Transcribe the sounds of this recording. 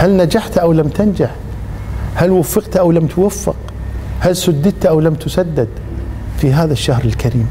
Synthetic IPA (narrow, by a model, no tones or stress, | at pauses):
halnad͡ʒaħt̪ʔawlamt̪and͡ʒaħ | halwafːɪqt̪ʔawlamt̪wafːɪ̰q | halsʊd̪ːɪt̪ʔawlamt̪ʊsad̪ːɪd̪ | fiɦaːðaʃːahɾɪlkaɾiːm